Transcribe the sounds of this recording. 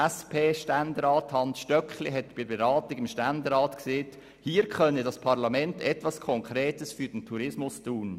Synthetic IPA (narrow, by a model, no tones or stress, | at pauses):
ɛspʰeːʃtændɾɑːthɑnsʃtœkχliɦɛt̚ːb̥ɪbeɾɑːtiɡɪmʃtændɛɾɑːtkseːt | hiːɾkχœnədɑspʰɑɾlɑmɛntɛtʋɑskʰɔŋkʰɾeːtəsfyːɾd̥ntʰuɾɪsmʊstuːn